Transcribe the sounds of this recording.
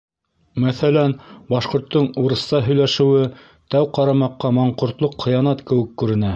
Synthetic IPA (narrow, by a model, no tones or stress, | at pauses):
mæθælænbɑʃqŏɾt̪ːɤɴuɾɤ̆st̪ɑɦɵ̆jlæʃɘ̆wɘ | t̪æwqɑɾɑmɑqːɑmɑɴqŏɾt̪lˠoqχɤ̆jɑnɑt̪kɘ̆wɘkːʉɾɘ̆næ